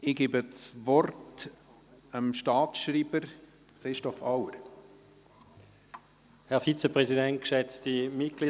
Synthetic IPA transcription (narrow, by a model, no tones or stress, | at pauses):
ɪɡiːbət͡sʋɔrt | əmʃtɑːt͡sʃɾiːbəɾ | χɾɪʃtɔfawəɾ | hɛɐʁfit͡səpʁɛzidɛnt̚kʃɛt͡sd̥imɪt̚ɡ̥liː